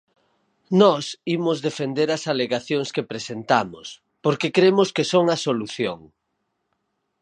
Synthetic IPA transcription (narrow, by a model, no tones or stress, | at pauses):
nɔsimʊzðefend̪eɾɐsaleɣaθjoŋskepɾesent̪amʊs | poɾkekɾemʊskesoŋɐsoluθjoŋ